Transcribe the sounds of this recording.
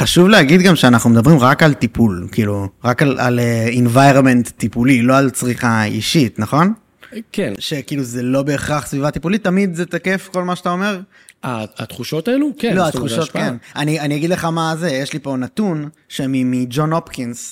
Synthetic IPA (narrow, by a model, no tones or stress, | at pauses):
χaʃuvleaɡid̪ɡamʃeanaχnumed̪abʁimʁakalt̪ipulkiːluʁakala̰leinvajʁonmentːipulilo̞alt͡sʁiχaḭʃit̪naχo̞n | kenʃe̞kiiːluzelo̞be̞ːχʁaχsvivat̪ipulit̪ːamid̪zet̪ake̞fko̞lmaʃeat̪ao̞me̞ʁ | aat̪χuʃot̪aelukeloat̪χuʃo̞tkenanianiaɡid̪leχamazejeʃlipo̞nat̪un | ʃemimid͡ʒo̞no̞pkins